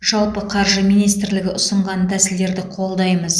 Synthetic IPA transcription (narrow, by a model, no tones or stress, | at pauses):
ʒɑlˠpəqʰɑɾʒəmijnijst̪ɾlɪɡʲɪʔʊsəɴʁɑnt̪ʰæsɪld̪e̞ɾd̪ɪqʰo̞lˠd̪ɑjməz